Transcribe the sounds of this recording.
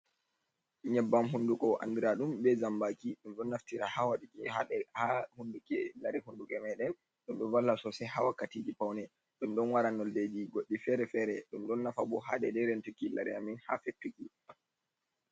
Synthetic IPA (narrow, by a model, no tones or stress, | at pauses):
ɲɛbːamɦundukɔʔa̰ndiɾaɗumbɛzambakiɗumɗɔnːaftiɾahawaɗikihaɗɛhahundukɛlaɾɛhundukɛmɛɗɛn | ɗumɗɔvalːasɔsɛɦawakːatiːd͡ʒipawnɛ | ɗumɗɔnwaɾanːɔlded͡ʒiɡoɗːifɛɾɛfɛɾɛɗumɗɔnːafabɔɦaɗɛdɛɾentukila̰ɾɛaminha̰fetːuki